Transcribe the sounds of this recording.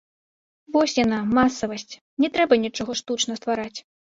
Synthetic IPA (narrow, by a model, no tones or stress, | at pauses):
vɔsʲjanamasɐvɐsʲt͡sʲ | nʲɛt̪ɾɛbɐnʲɛt͡ʂɔɣɔʂt̪ut͡ʂnɐst̪vaɾat͡sʲ